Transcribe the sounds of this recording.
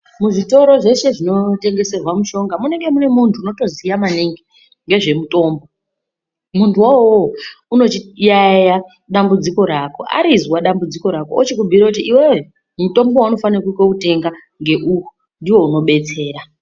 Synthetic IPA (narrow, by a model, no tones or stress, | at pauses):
muʐito̞ɾo̞ʐe̞ʃe̞ʐino̞te̞ŋɡe̞se̞rwamuʃo̞ŋɡamune̞ŋɡe̞mune̞muntʰuːno̞to̞zijamaniŋɡe | ŋɡe̞ʐe̞muto̞ːmbo̞ | muntʰuwawouno̞t͡ʃijaja | ɗambud͡ziko̞ɾaːko̞ʔa̰ɾizwaɗambud͡ziko̞ɾako̞ot͡ʃikubʱiɾakutiʔiwee | muto̞mbowauno̞fanirakukokute̞ŋɡa | ŋɡe̞ʔuku | ndiwo̞uno̞ɓe̞t͡se̞ːɾa